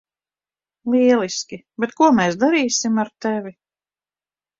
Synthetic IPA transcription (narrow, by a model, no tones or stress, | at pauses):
lˠiɛlˠiskʲibɛt̪kuɔmɛːsd̪aɾiːsimaɾt̪ɛvʲi